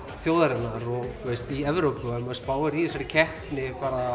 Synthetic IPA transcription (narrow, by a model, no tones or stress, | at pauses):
θjoːwðaɾɪnːaɾɔɣt̪ʰɛst̪iɛvɾowpɪɔɛmaðspaːwaɾiɛsaɾɪcʰɛht̪nɪpaːɾa